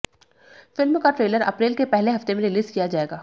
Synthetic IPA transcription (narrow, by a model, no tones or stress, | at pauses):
fɪlmkaʈɾeːləɾɐ̰pɾeːlkepɛɦleɦɐft̪emẽɾɪliːzkijad͡ʒaːeːɡaː